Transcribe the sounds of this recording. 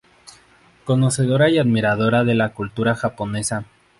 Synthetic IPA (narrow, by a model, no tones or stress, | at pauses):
ko̞no̞se̞ðo̞ɾaiaðmiɾaðo̞ɾaðe̞lakult̪uɾaxapo̞ne̞sa